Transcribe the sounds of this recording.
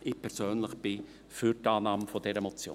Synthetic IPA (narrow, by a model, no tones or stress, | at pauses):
ʔɪpʰɛɾsøːnləχb̥ɪ | fyɾtɑːnɑːməfɔdɛɾəmɔt͡sjo̰ː